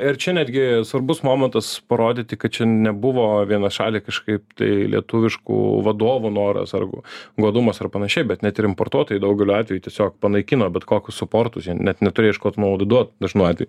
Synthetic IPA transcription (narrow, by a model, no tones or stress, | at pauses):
ɪɾt͡ʃʲɛnʲæːd̪ʲɡʲɪsʋɐɾbʊsmoːmʲɛnt̪ɐspɐɾoːd̪ʲɪt̪ʲɪkɐt̪̚t͡ʃʲɛnʲɛbʊʋoːʋʲiɛnɐʃɑ̰ːlʲiːkɐʃkɐɪp̚t̪ɐ̰ɪlʲḭɛt̪ʊʋʲɪʃkṵːʋɐd̪oːʋunoːɾɐ̰sɐ̰rɡʊ̰ɡuɔd̪ʊmɐsɐrpɐnɐʃʲɛɪbʲɛt̪nʲɛt̪ɪɾɪmpoːrt̪uɔt̪oːjidɐʊɡʲɛlʲuɑːt̪ʲʋʲɛjuːt̪ʲiɛsʲoːkpɐnɐɪkʲɪnoːbʲɛt̪koːkʲʊssʊpoːrt̪ʊsjiɛnnʲɛt̪nʲɛt̪ʊɾʲejɪʃkoːt̪nod̪d̪uɔt̪̚d̪ɐʒnuːɑːt̪ʋʲɛ̰ju